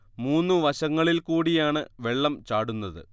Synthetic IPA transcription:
muːnːɨʋɐɕɐŋːɐɭilkuːɽijaːɳɨʋe̞ɭːɐmt͡ɕaːɽunːɐðɨ̰

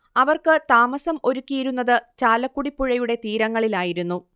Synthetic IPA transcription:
ɐʋɐrkɨt̪aːmɐsɐmo̞ɾukʲːijiɾunːɐðɨt͡ɕaːlɐkːuɽipːuɻɐjuɽe̞t̪iːɾɐŋːɐɭilaːjiɾunːu

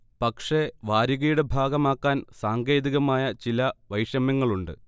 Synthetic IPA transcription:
pɐkʂe̞ʋaːɾiɣɐjuɽe̞bʱaːɡɐmaːkːaːnsaːŋɡe̞ːðiɣɐmaːjɐt͡ɕilɐʋɐjʂjɐmjɐŋːɐɭuɳɖɨ̰

